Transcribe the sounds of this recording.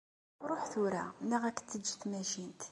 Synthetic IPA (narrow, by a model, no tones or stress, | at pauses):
ɾˤoħθʊɾænæʁækːt͡s̪ːəd͡ʒːθmæʃint̪